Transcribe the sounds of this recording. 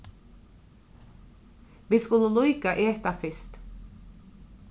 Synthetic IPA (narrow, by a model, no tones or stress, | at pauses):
ʋiːskʊləlɔjkaʔeːht̪afɪst̪